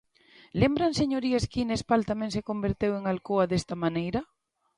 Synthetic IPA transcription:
lembɾanseɲoɾieskinespalt̪amẽŋsekombeɾt̪eweŋalkoaðest̪ɐmanejɾɐ

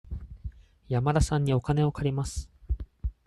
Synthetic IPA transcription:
jamaɾasãɲ̟ːio̞kane̞o̞kaɾʲimasɨ̥

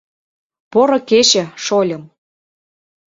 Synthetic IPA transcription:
poɾɤ̆ket͡ɕə̆ʃolʲɤ̆m

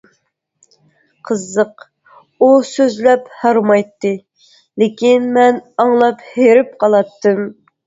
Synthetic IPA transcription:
qʰəzːəq | usøzlɛphɑɾmɑjt̪ːɨ | lekʲinmɛnɑŋlˠɑpheɾɪp̚qʰɑlˠɑt̪ːɨm

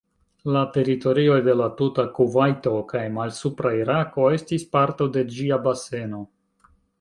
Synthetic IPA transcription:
late̞ɾito̞ɾio̞jde̞latutakuvajto̞kajmalsupɾaiɾako̞e̞stispaɾtode̞d͡ʒiabase̞no̞

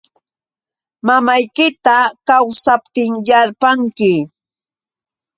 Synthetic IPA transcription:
mamajkɪt̪akawsap̚t̪ɪŋjaɾpaŋkɪ

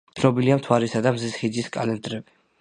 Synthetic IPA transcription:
tʰnɔbiliamt̪ʰwaɾisad̪amzisχid̪ziskʼalɛnd̪ɾɛbi

